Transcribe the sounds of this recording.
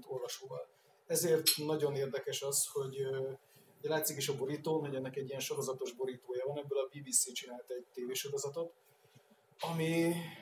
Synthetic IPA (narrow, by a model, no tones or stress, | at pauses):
t̪o̞rvɒʃoːvɒl | ɛzeːrt̪nɒɟo̞neːrd̪ɛkɛʃɒsho̞ɟ | ojlaːt̪sikeːʃɒbo̞ɾit̪oːmɛɟɛnːɛkɛɟːijɛnʃo̞ɾo̞zɒt̪o̞ʒbo̞ɾiːt̪oːjɒvɒnɛbːølɒbiːbiːsit͡ʃinaːlt̪ɛɟ̚t̪eːveːʃo̞ɾo̞zɒt̪o̞t̪ | ɒmi